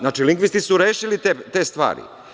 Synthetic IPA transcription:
aːt͡ʃiliŋɡʋist̪isuɾeːʃilit̪et̪est̪ʋa̰ːɾḭ

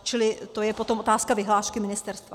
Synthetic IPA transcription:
t͡ʃɪlɪt̪o̞jɛpo̞t̪o̞mo̞t̪aːskavɪɦlaːʃkɪmɪnɪst̪ɛɾst̪va

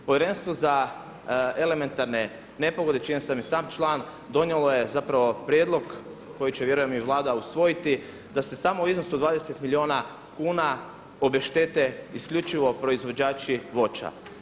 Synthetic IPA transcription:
poʋjeɾe̞nst̪ʋo̞za | e̞le̞me̞nt̪aɾne̞ | ne̞poɡo̞d̪et͡ʃiɲesamjesaːmt͡ʃlˠaːn | d̪o̞njelˠo̞jezapɾaʋo̞pɾjed̪lˠo̞ɡ | kːo̞jit͡ɕeʋje̞ɾujemiʋlˠaːd̪ausʋo̞jit̪i | d̪ase̞saːmouizno̞sud̪ʋaːd̪ese̞t̪milʲio̞na | kuːna | o̞beʃt̪e̞t̪e̞iskʎʲut͡ʃiʋo̞pɾo̞izʋo̞d͡ʒaːt͡ʃiʋo̞t͡ʃa̰

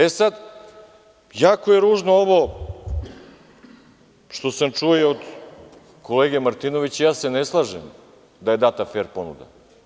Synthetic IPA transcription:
esad̪ | jaːko̞jeɾuːʒnooʋo | ʃt̪o̞samt͡ʃuoiod̪ | kʰo̞leːɡemaɾt̪ino̞ʋit͡ɕejaːse̞neslˠaːʒem | d̪aje̞d̪aːt̪afeːɾpo̞nṵd̪a̰

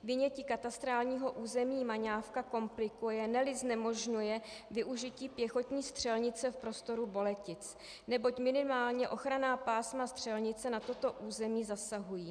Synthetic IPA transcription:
vɪɲɛciːkat̪ast̪ɾaːlɲiːɦo̞ʔuːzɛmiːmaɲaːfkako̞mplɪkujɛnɛlɪznɛmo̞ʒɲujɛvɪʔuʒɪciːpjɛxo̞t̪ɲiːst̪r̝̥ɛlɲɪt͡sɛfpɾo̞st̪o̞ɾubo̞lɛcɪt͡s | nɛbo̞cmɪnɪmaːlɲɛʔo̞xɾanaːpaːsmast̪r̝̥ɛlɲɪt͡sɛnat̪o̞t̪o̞ʔuːzɛmiːzasaɦujiː

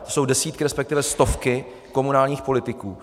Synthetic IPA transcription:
t̪oso̞wdɛsiːt̪̚kɪɾɛspɛkt̪ɪvɛst̪o̞fkɪ | ko̞munaːlɲiːxpo̞lɪt̪ɪkuː

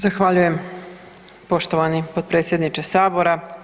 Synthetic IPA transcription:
zaxʋaːʎuje̞m | po̞ʃt̪oʋanipod̪̚pɾe̞ːt̪sʲjed̪nit͡ʃesaːbo̞ɾa

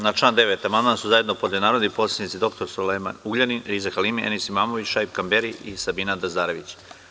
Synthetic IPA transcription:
nat͡ʂlaːnd̪eʋet̪amand̪mansuzajed̪nopod̪ʲonaːɾod̪nipo̞t̪sʲed̪nit̪sid̪o̞kt̪o̞ɾsolema̰nuɡʎaniɾizaxalimiʔenisimaːmoʋit͡ɕʃaipkambeɾiʔisabiːnad̪azaːɾeʋit͡ɕ

